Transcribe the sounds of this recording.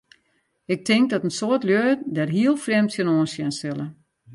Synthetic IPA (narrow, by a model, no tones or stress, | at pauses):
ɪk̚tʰɪŋk̚dɔtənsoətljøːdɛrɦiəlˠfrɛmtsjənoːnsjɛnsɪlə